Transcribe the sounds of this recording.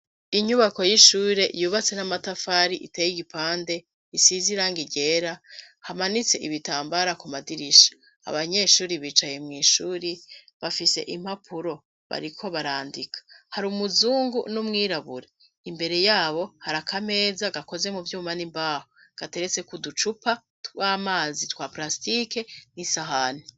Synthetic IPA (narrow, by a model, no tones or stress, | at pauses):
iɲuβako̞jiʃuːɾe̞ʔjuβat͡se̞namatafaːɾiʔitejiɡipaːnde̞ | isiziɾaŋɡiɟe̞ːɾa | hamanit͡se̞ʔiβitaːmbaɾakumadiɾiʃḁ | a̰βaɲe̞ʃuːɾiβiːt͡ʃajemŋiːʃuːɾi | βafise̞̰ʔim̥hapʰuɾo̞ | βa̰ɾikʰo̞βaɾaːndikʰḁhaɾumuzuːŋɡunumŋiːɾaβuɾe | imbe̞ɾe̞jaːβo̞haɾakʰame̞ːzaɡako̞ze̞muvjuːmanimbaːho | ɡ̥ate̞ɾet͡se̞kudut͡ʃupa | twamaːzitwaplastike̞nisaɦani